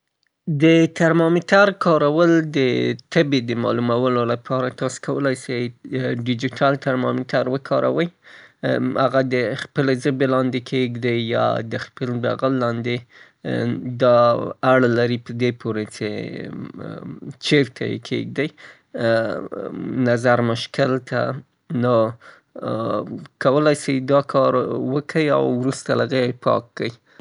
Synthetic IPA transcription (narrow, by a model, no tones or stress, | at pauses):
d̪ət̪aɾmɑmɪtaɾkʰɑɾawəld̪ət̪ʰəbed̪əmɑ̰lumawəlolapʰɑɾat̪ɑse̥kʰawəlajsajɖɪd͡ʒiʈʰɑlt̪aɾmɑmɪt̪aɾwəkʰɑɾʔa̰wəj | haɣad̪əxpəlezəbelɑnd̪ekʰeɡd̪ajjɑ̰d̪əxpəlba̰ɣəlːɑnd̪e | d̪ɑaɽlaɾipəd̪epʰoɾet͡ʃḛ | t͡ʃeɾt̪ʰajḛkʰḛɡ̚d̪aj | nazaɾmʊʃkɪlt̪a̰ | no | kawəlajsijd̪ɑkʰɑɾwəkʰəja̰wːɾust̪alaɣepʰɑ̰kːəj